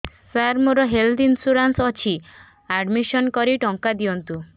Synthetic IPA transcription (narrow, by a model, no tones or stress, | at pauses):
saɾmoɾɔɦeld̪insuɾansɔt͡ʃʰi | aɖmiʃɔnkɔɾiʈɔŋkad̪iɔnt̪u